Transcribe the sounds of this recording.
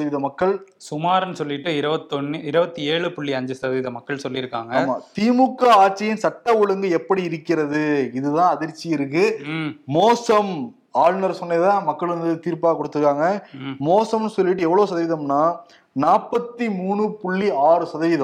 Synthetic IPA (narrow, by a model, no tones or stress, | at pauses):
sɐðɐʋɪðɐmɐkːɐɭsʊmaːɾnɯsɔlːɪʈːɯɪɾɐbɐt̪ːɔnːɯɪɾɯbɐt̪ːieːɭɯpʊɭːiɐɲd͡ʒɯsɐðɐʋɪðɐmɐkːɐɭsɔlːɪɪɾɯkːaːŋɡɐaːma̰ːt̪iːmʊkːɐaːʈt͡ʃːɐjɪnsɐʈːɐʊɻɐŋɡɯɛpːɐɽiɪɾɯkːɪɾɐðɯɪðɯt̪ãːɐðɪɾt͡ʃːɪjɪɾɯk̬ːɯmoːsɐm | aːɻnɐɾsɔnːɐðãːmɐkːɐɭɾɐnd̪ɯt̪iːɾpaːkɔɽɯt̪ːɯɾɯkːaːŋɡɐmoːsɐmnɯsɔlːɪʈ̬ːɯɛʋːɐɭoːsɐðɐʋɪðɐmnaː | naːpːɐt̪ːimuːɳɯpʊɭːiaːɾɯsɐðɐʋɪðɐ